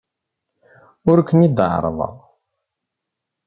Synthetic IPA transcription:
ʊɾkːənid̪əʕ̰ɾ̰ˤðˤə̰ʁˤ

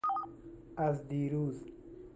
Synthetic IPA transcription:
ɐzd̪iːɾuːz

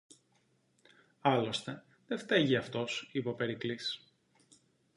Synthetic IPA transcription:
ɐlo̞st̪e̞ | ðeft̪eʝiɐft̪o̞sipo̞pe̞ɾiklis

